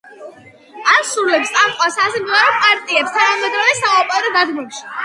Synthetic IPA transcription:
aɾsuɾlɛpst̪ʼamqʼasasɛmd̪vaɾɔpʼaɾt̪ʼiɛpst̪ʰanamɛd̪ɾɔd̪ɛsaɔpʼaɾɔd̪ad̪ɡmumʃi̥

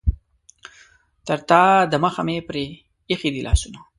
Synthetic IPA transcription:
t̪əɾt̪aːd̪əmaxa̰mepɾeː | xid̪ilʔɑ̰ːsuna

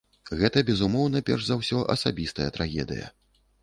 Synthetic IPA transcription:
ɣɛt̪ɐbʲɛzumɔwnɐpʲɛ̰rʐzawsʲɔʔɐsabʲist̪ɐjɐt̪ɾaɣʲɛ̰d̪ɨ̰jɐ̰

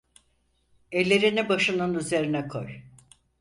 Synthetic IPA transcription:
elʲːeɾinibaʃɯnɯnyze̞ɾinɛkʰo̰j

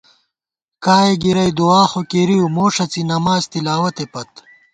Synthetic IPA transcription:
kaːeɡiɾɐjd̪uwaːxokeɾiumoːʂɐt͡sinɐmaːzt̪ilaːwɐt̪epɐt̪

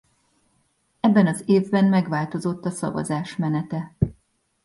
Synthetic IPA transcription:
ɛbːɛnɒzeːvbɛnmɛɡʋaːlt̪o̞zo̞t̪ːɒsɒ̰vɒ̰zaːʃmɛnɛt̪ɛ

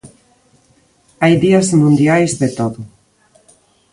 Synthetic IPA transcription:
ajðiazmũnd̪jajzðet̪oðo

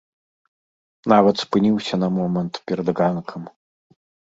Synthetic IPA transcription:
navɐt̪spɨnʲiwsʲɐnɐmɔmɐnt̪pʲɛɾɐd̪ɣankʰɐm

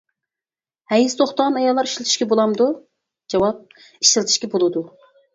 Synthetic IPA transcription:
hɛjist̪ʰoχt̪ɑʁɑnɑjɑlˠːɑɾiʃlˠɪt̪ʰɪʃkʲɛbolˠɑmd̪u | d͡ʒɑwɑp̚ | i̥ʃɪlˠɨt̪ʰɪʃkʲɛbolˠɨd̪u

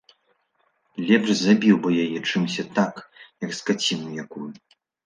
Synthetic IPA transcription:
lʲɛpʂzabʲiwbɨjajɛt͡ʂɨmsʲɐt̪akjɐkskat͡sʲinujakuju

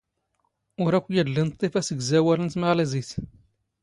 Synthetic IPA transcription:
ʊɾækʷːjæd̪lint̪ˤːefæsəɡzæwælənt̪maʁlæzis

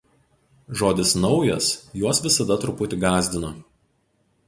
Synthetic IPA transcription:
ʒoːd̪ʲɪsnɒʊjɛsjuɔsʋʲɪsɐd̪ɐt̪ɾʊpʊt̪ʲɪɡɑːzʲd̪ʲɪno

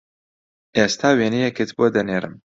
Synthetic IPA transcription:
est̪ʰaːweːnijɛkɪt̪ʰbod̪ɐneːɾɨ̰m

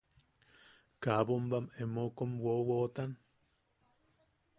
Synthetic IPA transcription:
kabombamemokomwowot̪an

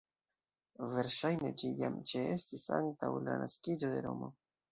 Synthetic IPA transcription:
ve̞ɾʃajne̞d͡ʒijamt͡ʃee̞stisa̰ŋtawlanaskid͡ʒo̞de̞ɾo̞mo̞̰

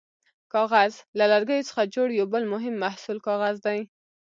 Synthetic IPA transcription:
kɑɣazlalaɾɡəjot͡sə̥xad͡ʒoɽjawbəlmʊɦɪmːahsulkɑɣazd̪aj

